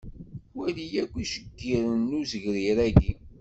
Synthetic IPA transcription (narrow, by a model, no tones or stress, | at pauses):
wælijækʷːiʃəɡːiɾənːuzəʝɾiɾæɡi